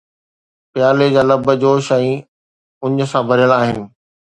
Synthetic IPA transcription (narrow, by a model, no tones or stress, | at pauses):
pɪjaːled͡ʑaːlɐbəd͡ʑoːʃɐ̃ĩ | ʊɲə̆sãbʱɐɾijəlaːɦɪnɪ̆